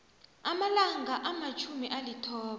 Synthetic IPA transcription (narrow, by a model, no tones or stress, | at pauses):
amalaŋaʔamat͡ʃʰumiʔalitʰɔːɓa